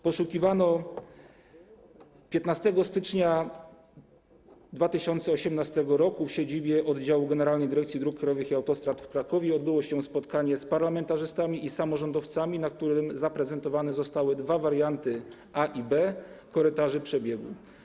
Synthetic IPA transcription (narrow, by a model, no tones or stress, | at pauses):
pɔʂukʲivanɔ | pʲjɛt̪nast̪ɛɡɔst̪ɘt͡ʂɲa | d̪vat̪ɘɕɔnt̪sɛɔɕɛmnast̪ɛɡɔɾɔkufɕed͡ʑibʲjɛʔɔd̪d͡ʑawuɡɛnɛɾalnɛjd̪ɘɾɛkt̪sʲjid̪ɾukːɾajɔvɘxiawt̪ɔst̪ɾat̪fkɾakɔvʲjɛɔd̪bɘwɔɕɛspɔt̪kaɲɛspaɾlamɛnt̪aʐɘst̪amʲiʔisamɔʐɔnd̪ɔft̪samʲinak̚t̪uɾɘmzapɾɛzɛnt̪ɔvanɛzɔst̪awɘd̪vavaɾjant̪ɘ | ʔaʔibɛkɔɾɘt̪aʐɘpʂɛbʲjɛɡṵ